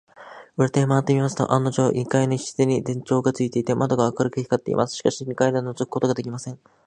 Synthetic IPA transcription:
ɯɾat̪emaːt̪ːemʲimasɨ̥t̪o̞̰ʔanːoʑo̞ːʔikainoçi̥ɕi̥zeɲ̟id̪ẽ̞ɲ̟t͡ɕo̞ːɡat͡sɨit̪e̞it̪e̞mad̪o̞ɡaβakaɾɯ̟kɯçʲi̥kat̪ːe̞̰ḭma̰sɨ̥ɕi̥kaɕiɲ̟ikaid̪enozɨkɯ̟ko̞t̪o̞ɡad̪ekʲimasẽ̞ŋ

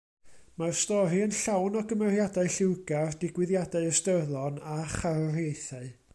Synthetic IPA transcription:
marstɔɾiənɬawnɔɡəmɛrjadaɨɬɪwɡard̥ɪɡwɪðjadaɨəstərðɔnaχarrejθaɨ

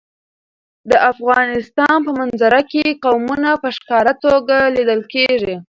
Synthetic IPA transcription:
d̪əʔafɣɑnɪst̪ɑnpəmanzaɾakeqawmunapəʃkɑɾat̪oɡalid̪əlkeʐi

